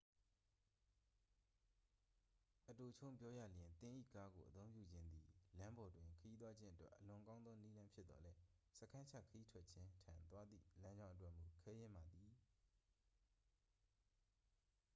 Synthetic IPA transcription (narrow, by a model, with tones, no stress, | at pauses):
ʔəto˨t͡ɕʰõ˦ʊ̃mpjɔ˦jä̰˦˨ljɪ̃˨nt̪ɪ̃˦˨ʔḭ˦˨ka˦ɡo̰˨ʔət̪õ˦ʊ̃pjṵ˦˨d͡ʑɪ̃˦nd̪ðḭ˨lã˦mbɔ˨dwɪ̃˨kʰəji˦t̪wa˦d͡ʑɪ̃˦ʔə˦twɛ̰˦ʔːəlʊ̃˨kã˦ʊ̃nd̪ðɔ˦ni˦lã˦mpʰjɪ˦t̪t̪ɔ̰˨lɛ˦sə˦kʰã˦ɲt͡ɕʰä̰˦˨kʰəji˦tʰwɛ˦t̚t͡ɕʰɪ̃˦tʰã˨nt̪wa˦d̪ðḭ˦˨lã˦ɲd͡ʑã˦ʊ̃ʔət̬wɛ˦˨mu˨kʰɛ˦jɪ̃˦mba˨d̪i˨